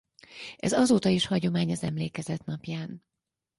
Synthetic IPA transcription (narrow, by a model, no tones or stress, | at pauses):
ɛ̰zɒzoːt̪ɒiʃhɒɟo̞maːɲɒzɛmleːkɛzɛt̪nɒpjaːn